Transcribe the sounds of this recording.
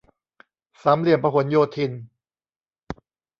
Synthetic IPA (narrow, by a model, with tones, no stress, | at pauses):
sa˩˦mli˨˩ənpa˧ɦo˩˦njoː˧t̪ʰi˧n